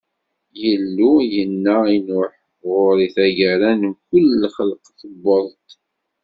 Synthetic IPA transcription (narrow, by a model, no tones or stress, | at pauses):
jəlːujənːæinʊħəvʊɾˤiθæʝæɾænkʷəlːχəlqθəbːəðˤt̪